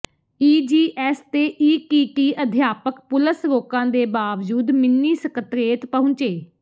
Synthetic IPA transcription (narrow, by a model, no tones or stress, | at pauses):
iːd͡ʒiːʔɛːst̪eːʔiːkiːʈiːʔəd̪ʱjaːpəkpʊləsɾoːkãːd̪eːbaːʋd͡ʒuːd̪mɪnːiːsəkət̪ɾeːt̪pəɦʊ̃t͡ʃeː